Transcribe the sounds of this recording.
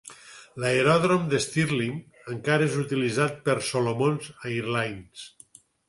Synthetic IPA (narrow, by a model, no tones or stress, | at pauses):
laeɾɔðɾomd̪est̪iɾlim | əŋkaɾəezut̪ilizat̪̚pəɾsolomonzaiɾlajns